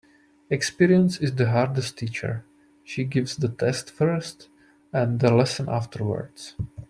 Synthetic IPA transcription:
ɛkspiɾiə̃nsɪzd̪əɦaɹdɛsttiːt͡ʃə̰ɹ | ʃiːɡɪvsd̪ət̪ʰɛstfə˞st | ɛ̃nd̪əlɛsə̃nʔa̰ftʰəɹwə̰ɹds

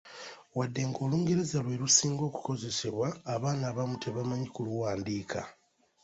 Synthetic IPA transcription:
wadːe̞ŋɡo̞ːluːŋɡe̞ɾe̞zalwe̞ɾusiːŋɡo̞ːku̥ko̞ze̞se̞βwaːβaːnaːβamutʰe̞βamaɲikuluwaːndiːkʰa̰

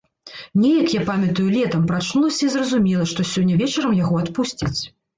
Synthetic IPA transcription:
nʲɛjɐkjapamʲɐt̪ujulʲɛt̪ɐmpɾat͡ʂnulˠɐsʲɐizrɐzumʲɛlˠɐʂt̪ɔsʲɔnʲːɐvʲɛt͡ʂɐɾɐmjaɣɔat̪pusʲt͡sʲit͡sʲ

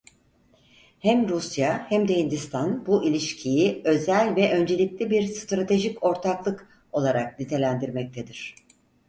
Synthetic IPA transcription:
hæmɾusjahæmd̪eind̪ist̪ʰanbuʔilʲiʃcʰijiø̞zælʲvɛʔø̞nd͡ʒe̞lʲiclʲibiɾst̪ɾat̪ʰe̞ʒico̞ɾt̪ʰaklˠɯk | o̞lˠaɾak̚nit̪ʰe̞lʲænd̪iɾmɛc̚t̪ʰed̪iɾ̝̥

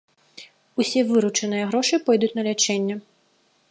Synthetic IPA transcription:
usʲɛvɨɾut͡ʂɐnɨjɐɣɾɔʂɨpɔjd̪ut͡sʲnɐlʲat͡ʂɛnʲːɐ

